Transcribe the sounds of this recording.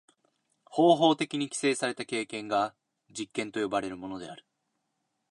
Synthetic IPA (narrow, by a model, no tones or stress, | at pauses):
ho̞ːɦo̞ːt̪e̞kʲiɲ̟ikʲi̥se̞ːsaɾe̞t̪ake̞ːkẽ̞ŋɡa | d͡ʑikːẽnt̪o̞jo̞baɾe̞ɾɯ̟mo̞no̞d̪e̞̰aɾɯ̟̥